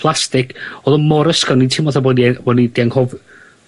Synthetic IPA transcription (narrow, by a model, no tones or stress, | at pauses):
pʰlˠastɪkʰoðɔmɔɾəskɔnitʰɪmɔθaboːnibɔdnidiaŋhɔv